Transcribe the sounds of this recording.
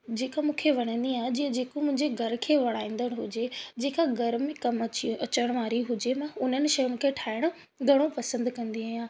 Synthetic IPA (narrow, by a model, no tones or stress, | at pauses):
d͡ʑeːkamũːkʰeʋɐɲ̃ə̃nd̪iaːɦed͡ʑĩːə̃d͡ʑeːkomʊ̃ɦɪ̃ɲd͡ʑeɡʱɐɾkʰeːʋɐɽ̃aːĩːn̆d̪əɽ̃ɦʊd͡ʑed͡ʑeːkaɡʱɐɾmẽkɐmɐt͡ɕiɐt͡ɕəɽ̃ʋaːɾiɦʊd͡ʑemãʊn̤ənɪ̆ʃɐjʊnɪ̆kʰeːʈʰaːɪɽ̃ʊ | ɡʱɐɽ̃opɐsə̃nd̪kɐ̃nd̪iaːjãː